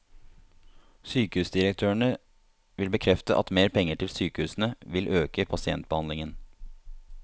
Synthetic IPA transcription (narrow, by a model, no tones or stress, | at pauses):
syːkəʉːsd̪ɪɾək̚t̪ʰøːəɳə | ʋɪlbəkʰɾɛft̪əʔɑ̰t̪meːɾpʰɛŋəʈʰɪlsyːkəʉːsn̩əʋɪlʔøːkəpʰɑsɪɛ̰nt̪̚bəhɑnlɪŋən